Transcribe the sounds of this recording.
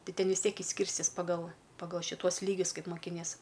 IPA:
ˈtʲɪ ˈtʲɛn ʋʲɪs ˈtʲiɛk ɪʃʲˈsʲkʲiːrʲsʲtʲɪs pɐˈɡɐlˠ pɐˈɡɐlˠ ʃʲɪˈtuɔs ˈlʲiːɡʲʊs ˈkɐɪp moːkʲɪˈnʲiɛs

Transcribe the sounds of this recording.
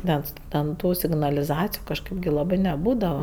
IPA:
ˈnʲɛs tʲɛn ˈtuː sʲɪɡnɐlʲɪˈzɑːt͡sʲɪjʊ kɐʃˈkɜp ɡʲɪ lˠɐˈbɜ nʲɛˈbuːdɐʋɐ

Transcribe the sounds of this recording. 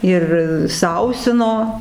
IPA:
ˈɪr ˈsɐʊsʲɪnoː

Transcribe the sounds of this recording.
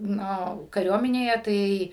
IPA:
ˈnʊ kɐˈrʲuɔmʲɪnʲeːjɛ ˈtɐɪ

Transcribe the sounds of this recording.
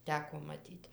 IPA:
ˈtʲæːkoː mɐˈtʲiːtʲ

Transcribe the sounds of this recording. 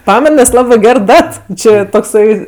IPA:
ˈpɑːmʲɛn nʲɛs ˈlˠɑːbɜ ˈɡʲɛr ˈdɐt ˈt͡ʃʲɪ toːkˈsɐɪ

